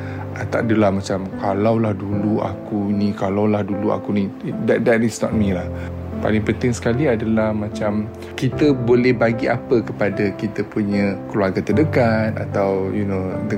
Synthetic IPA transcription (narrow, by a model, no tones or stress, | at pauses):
ət̪a̰ʔdəlahmat͡ʃamkalawlahduluʔa̰kunikalawlahdulua̰kunidɛdɛtisnɔ̰t̚milah | pa̰lɪŋpənt̪ɪŋsə̥kaliadəlahmat͡ʃam | kit̪əbolɛhbaɡiapəkəpadakit̪əpuɲəkluarɡat̪ədəkat̪̚a̰t̪awjunodə